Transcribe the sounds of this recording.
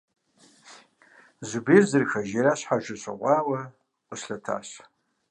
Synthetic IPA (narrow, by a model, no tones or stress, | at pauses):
zubirzɨrxaʒaɾaɕʷħaʒʷaʃʷʰa̰qʷʼawa | qʼəʃɬatʰa̰ʃ